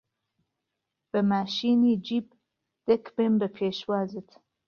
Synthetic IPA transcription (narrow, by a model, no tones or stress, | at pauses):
b̥əmaʃinid͡ʒib | d̪̥ekʰbembəpʰeʃwaːzit̪ʰ